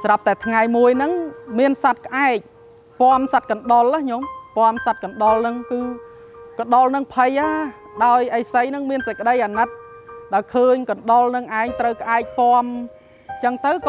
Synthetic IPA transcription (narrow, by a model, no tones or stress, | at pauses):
sarap̚t̪aɛt̪ʰŋajmuəjnɨŋmiənsat̪̚kə̆ʔaɛk̚ | pŏəmsat̪̚kɑnɗolakɲompŏəmsat̪̚kɑnɗolnɨŋkɨː | kɑɗolnɨŋpʰəjʔaː | ɗaɔjʔəjsəjnɨŋmiənsəc̚kə̆ɗəjʔanɨt̪̚ | ɗaɔjkʰəːɲkɑnɗolnɨŋʔaɛŋt̪rəwkʔaɛk̚poəm | t͡ɕəŋt̪ɨwk